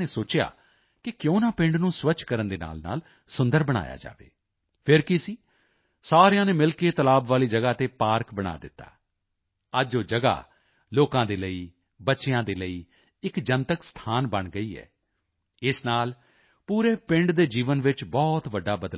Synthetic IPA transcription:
eːsoːt͡ʃja̰ː | kɪkjõːnãːpɪ̃ɳɖnũːsʋət͡ʃkəɾənd̪eːna̰ːlna̰ːl | sʊ̃nd̪əɾbəɽ̃a̰ːja̰ːd͡ʒa̰ːʋḛː | pʰɪɾkɪsiː | saːɾejãːneːmɪlkeːt̪əlaːbʋaːliːd͡ʒəɡaːt̪eːpaːɾkbəɽ̃a̰ːd̪ɪt̪ːa̰ː | əd͡ʒoːd͡ʒəɡa̰ː | loːkãːd̪eːləiː | bətːʃejãːd̪eːləiː | ɪkd͡ʒənt̪əkst̪ʰaːnbəɳɡəiːɛ̰ː | ɪsnaːl | puːɾeːpɪ̃ɳɖd̪eːd͡ʒiːʋənʋɪt͡ʃbɔːt̪ʋəɖːaːbəd̪

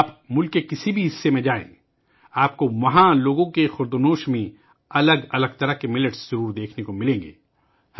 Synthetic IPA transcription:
pmʊlkːekɪsibʱiɦɪsːemẽd͡ʒaːḛ̃ː | aːp̚koʋɐɦãloːɡõkexʊɾd̪onoːʃmẽ | ɐləɡɐləɡ̚t̪ɐɾəkemɪləʈsz̥ɐɾuːɾd̪eːkʰnekomɪlẽːŋɡḛː

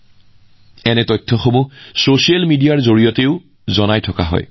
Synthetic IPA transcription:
ɛnɛtɔjtʰːɔxomusosielmidijaɹzoɹijɔteʊ | zɔnajtʰɔka̰ɦɔ̰j

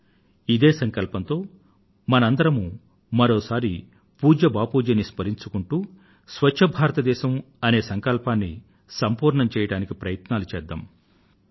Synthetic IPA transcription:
id̪e̞ːsɐŋkɐlpɐnt̪o̞ː | mɐnɐɐnd̪ɐɾɐmu | mɐɾoːsaːɾi | puːd͡ʒɐbaːpuːd͡ʒɐnːispɐɾiɲt͡ʃukuɳʈuː | sʋɐt͡ʃt͡ʃʰːɐbʱaːɾɐt̪ɐd̪ɛːʃɐm | ɐne̞ːsɐŋkɐlpaːnːi | sɐmpuːɾɳɐmt͡ʃɛːjɐɽaːnikipɾɐjɐt̪naːlut͡ʃɛːd̪ːa̰m

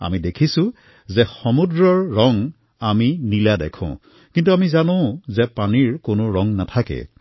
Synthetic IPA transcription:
a̰midekʰisʊ̃ | zɛxɔmudɹɔɹːɔŋ | aminiladɛ̰kʰʊ̰̃ | kintuamizanõʊ̃zɛpaniɹkonoɹɔŋnatʰakɛ̰

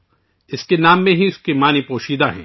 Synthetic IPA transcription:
ɪskenaːmːẽɦiʊskemaːnipoːʃiːd̪aɦɛ̰̃ː

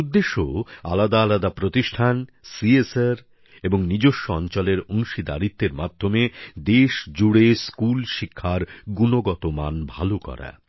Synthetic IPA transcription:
ud̪ːeʃoa̰lad̪aːlad̪apɾot̪iʃʈʰansieseɾ | eboŋnid͡ʑoʃːoɔnt͡ɕɔleɾoŋʃid̪a̰ɾit̪ːeɾmad̪ʱːomed̪eʃd͡ʑuɽeskulʃikʰːaɾɡunoɡɔt̪omanbʱalokɔ̰ɾa̰

